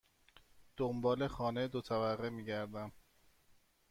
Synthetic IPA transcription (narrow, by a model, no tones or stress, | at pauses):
d̪̥ombɒːle̞xɒːned̪ot̪ʰæværːemiːɟæɾd̪æm